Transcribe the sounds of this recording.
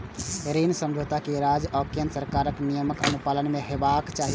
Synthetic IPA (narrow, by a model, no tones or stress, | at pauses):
ɾinsə̃mbʱot̪akiɾaːd͡ʒɔːkijənsəɾkaːɾəknijəməkənupaːlənmẽɦeːbakt͡ʃaːɦi